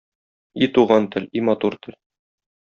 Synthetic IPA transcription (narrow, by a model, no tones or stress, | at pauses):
it̪uʁɑnt̪ɘ̆lʲimɒt̪uɾt̪ɘ̆l